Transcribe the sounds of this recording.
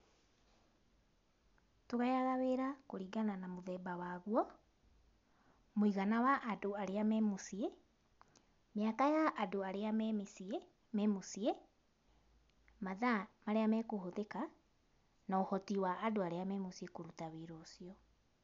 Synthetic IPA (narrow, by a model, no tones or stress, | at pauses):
toɣajaɣaβeɾakoɾiːɡananamoðɛːbawaːɣwɔ | moiɣanawaʔːdoaɾeamɛmosje | meakajaʔːdoaɾease | mɛmosie | maðamaɾeamɛkohoðeka | naohɔtiwaːdoaɾeamɛmosiekoɾutawiɾoːsiɔ